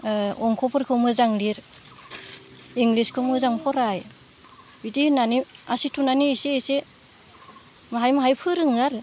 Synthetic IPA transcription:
ɔŋkʰɔpʰɯɾkʰɯwmɯzaŋliɾ | iŋliskʰɯwmɯzaŋpʰɔɾaj | bitinaniasitʰunanisese | maɦajmaɦajpʰɯɾɯŋaɾ

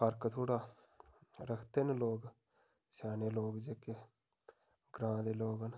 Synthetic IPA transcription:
pʰəɾkt̪ʰoːɽaː | ɾəkʰt̪eːnloːɡ | saːneːloːɡd͡ʒeːke | ɡɾãːd̪eːloːɡən

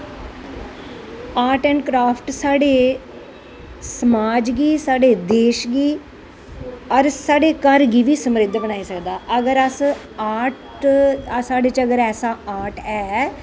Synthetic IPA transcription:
aːɾʈɛ̃ːɳɖkɾaːpʰʈsaːɖeː | səmaːd͡ʒɡiːsaːɖeːd̪eːʃɡiː | ɔɾsaːɖeːkəɾɡiːʋiːsəmɾɪd̪bənaːiːsəkd̪aːʔəɡəɾəs | aːʈ | saːɖeːt͡ʃəɡəɾɛːsaːaːʈɛː

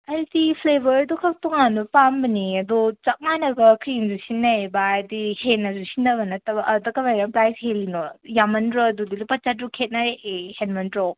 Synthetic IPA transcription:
ɐjdipʰlebɐɾdukʰɐk̚tɔŋandɔpambɐniɐdɔt͡ʃɐk̚manɐɡɐkʰɾinzusinːaebadihenːɐzusindɐbɐnɐtɐbɐʔɐdutɐkɐmajnapɾajshelinojamɐndɾɔdudilupɐt͡ʃatɾukʰet̚naɾeʔehenmɐndɾo

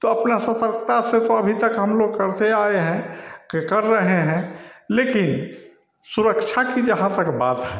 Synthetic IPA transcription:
t̪oəpnasət̪əɾkt̪asẽt̪oəbʱit̪əkɦəmloɡ̚kəɾt̪eaːeɦɛ̃kəɾːəɦeɦɛ̃leːkɪn | suɾəkt͡ʃʰakid͡ʒəɦãt̪əkbaːt̪ɦɛ

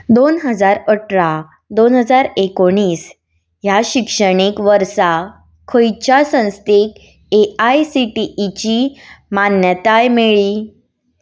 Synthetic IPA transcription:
d̪onɦəd͡zaɾəʈɾa | d̪onɦəd͡zaɾekoɽ̃iːs | jaɕikʂəɽ̃ikʋəɾsa | kʰəjt͡ɕasə̃w̃st̪ek | eajsiʈiːt͡ɕimanjət̪ajmeɭiː

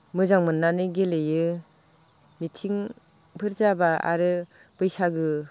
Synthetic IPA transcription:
mɯzaŋmɯnːanɯɡelejɯ | mitʰiŋ | bʰɯɾzabaa̰ɾɯ | b̥ɯjsaɡɯ

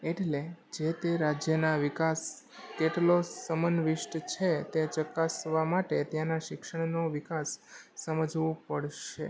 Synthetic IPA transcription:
eʈled͡ʒet̪eɾad͡ʒjənaʋɪkas | k̪eʈlosəmənʋɪʃʈt͡ʃʰet̪et͡ʃəkasʋamaʈet̪jãnaʃɪkʃəɳ̃noʋɪkasːəməd͡ʒʋõpəɽʃḛ

